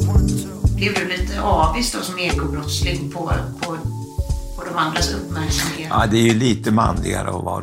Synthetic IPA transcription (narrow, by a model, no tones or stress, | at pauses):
bɛd̪ɵliːt̪əʔɑːvɪst̪ɔsɔmeːɾɡɔbɾɔt̪slɪɡ̪pʰɔpʰɔ | pʰɔd̪ɔmand̪ɾasɵpːmæɾksamɪŋaad̪ɛæɾjɵliːt̪əma̰nlɪ̰ɡa̰ɾə̰ɔvɑ